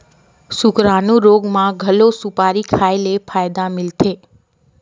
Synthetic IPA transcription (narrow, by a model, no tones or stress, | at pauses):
sʊkɾanũɾoɡmãɡʱəlosupaɾikʰaelefʰajd̪amɪlt̪ʰe